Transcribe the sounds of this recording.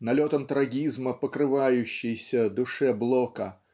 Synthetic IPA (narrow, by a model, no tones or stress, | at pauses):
nalʲɔt̪ɐmt̪ɾaɡʲizmɐpɐkɾɨvajʊɕːɪjsʲɐd̪ʊʂɛblˠɔkɐ